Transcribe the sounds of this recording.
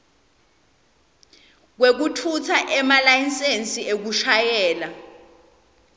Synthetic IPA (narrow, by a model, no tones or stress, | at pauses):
k̬wek̬utʰutʰaʔɛmalajinsensʼiek̬uʃajɛːla